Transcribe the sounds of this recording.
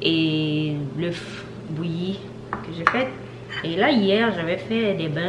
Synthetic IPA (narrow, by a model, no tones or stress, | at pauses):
e | ləf | buji | kəʒefɛt̪ | elaijɛːʁʒavɛfɛd̪ebɛ̃